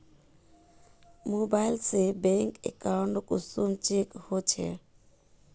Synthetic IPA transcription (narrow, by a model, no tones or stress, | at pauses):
mobajlsebɛŋkʼɛ̰kawntkʼusumt͡ʃʼikhot͡ʃʰɛ̰